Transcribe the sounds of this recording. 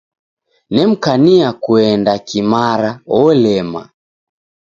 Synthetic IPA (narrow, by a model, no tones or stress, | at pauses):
nɛm̩kaniakuɛndakimaɾaɔlɛma̰